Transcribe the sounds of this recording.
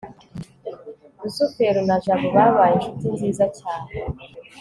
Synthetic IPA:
ɾusufeɾunaʒaβoβaβaːjenʃutinziːzacaːne

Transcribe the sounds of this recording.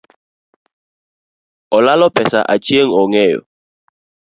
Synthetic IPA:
ɔlalɔpɛsa̰ʔa̰t͡ʃieŋ̩ɔŋɛjɔ̰

